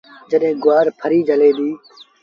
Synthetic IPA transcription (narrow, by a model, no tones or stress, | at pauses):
d͡ʒəɗɦẽːɡʊʋaːɾpʰəɾiːd͡ʒəleːd̪iː